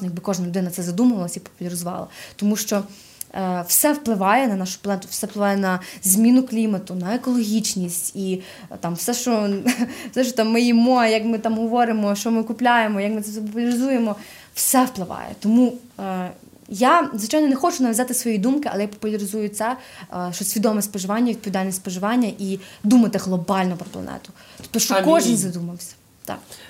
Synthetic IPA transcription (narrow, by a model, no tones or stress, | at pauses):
jɐɡ̚bɪkɔʒnɐlʲʊd̪ɪnɐt̪sɛzɐd̪umɐʋɐlˠɐsʲipɔ̥pʊlʲɐɾɪzʊʋɑ̰lˠɐ̰t̪ɔmuʃt͡ʃɔ | wsɛwplˠɪʋɑjɛnɐnɑʃʊ̥pɐlˠɛnt̪ʊwsɛwplˠɪʋɑjɛnɐzʲmʲinʊklʲimɐt̪ʊnɐekɔlˠɔɦʲit͡ʃnʲisʲtʲi | t̪ɑmwsɛʃt͡ʃɔ | fsɛʃt͡ʃɔt̪ɑmːɪjimɔjɐkmɪt̪ɑmɦɔʋɔɾɪmɔʃt͡ʃɔmɪkʊplʲajemɔjɐkmɪt̪sɛsɛpɔpʊlʲɐɾɪzujemɔ | wsɛwplˠɪʋɑ̰jɛ̰t̪ɔmu | jazʋɪt͡ʃajnɔnɛxɔt͡ʃʊnɐʋʲjʲzɑt̪ɪsʋɔjid̪umkɪɐ̰lˠɛjapɔ̥pʊlʲɐɾɪzujʊt̪sɛʃt͡ʃɔsʲʋʲid̪ɔmɛspɔʒɪʋɑnʲːɐʋʲid̪̚pɔʋʲid̪alʲnʲːɛsʲpɔʒɪʋɑnʲːɐʔid̪umɐt̪ɪɦlˠɔbɑlʲnɔpɾɔplˠɐ̰nɛ̰t̪ʊ̥t̪ɔ̥p̚t̪ɔʃt͡ʃɔkɔʒɪnzɐd̪umɐwsʲɐ̥ | t̪ɑ̰k